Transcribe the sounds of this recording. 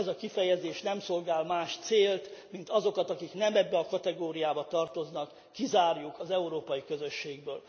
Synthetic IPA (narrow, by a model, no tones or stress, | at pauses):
ɛzɒkifɛjɛzeːʃnɛmso̞lɡaːlmaːʃt̪seːlt̪mint̪ɒzo̞kɒt̪ɒkiknɛmɛbːɛɒkɒt̪ɛɡoːɾijaːbɒt̪ɒrt̪o̞znɒkːizaːrjukʰɒzɛuɾoːpɒjikø̞zø̞ʃːeːɡbøːl